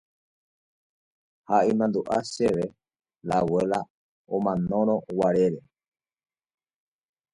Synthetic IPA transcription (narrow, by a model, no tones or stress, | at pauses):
haʔimãnd̪uʔaʃeʋe | lawela | omãnõ̞ɾ̃õ̞waɾe̞ɾe